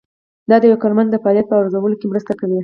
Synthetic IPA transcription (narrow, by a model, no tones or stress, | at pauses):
d̪ɑd̪əjawakɑɾmand̪d̪əfaɑljat̪̚pəaɾzawəlokemɾəst̪akawi